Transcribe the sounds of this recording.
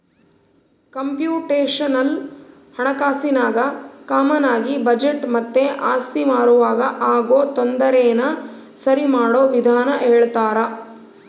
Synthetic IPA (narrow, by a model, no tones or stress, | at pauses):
kɐmpjuːʈeːʂɐnɐl | hɐɳɐkaːsinaːɡɐkaːmɐnaːɡibɐd͡ʒeʈmɐt̪ːe̞ʔaːst̪imaːɾuʋaːɡɐʔaːɡoːt̪ond̪ɐɾɛːnɐ | sɐɾimaːɽoːʋid̪ʱaːnɐʔeːɭt̪aːɾɐ